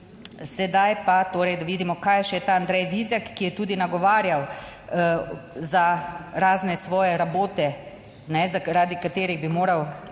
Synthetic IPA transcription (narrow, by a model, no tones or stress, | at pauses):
sɛd̪ajpat̪oːɾɛjd̪aʋiːd̪imɔkaːjʃɛjɛt̪aːnd̪ɾɛjʋiːzjakːijɛt̪uːd̪inaɡɔʋaːɾjaw | zaɾaːznɛsʋɔːjɛɾaboːt̪ɛ | nɛzaɾaːd̪ikat̪eːɾiɣbimoːɾaw